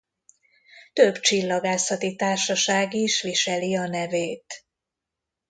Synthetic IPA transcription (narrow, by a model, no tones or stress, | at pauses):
t̪øbt͡ʃilːɒɡaːsɒt̪it̪aːrʃɒʃaːɡiʃʋiʃɛliɒnɛveːt̪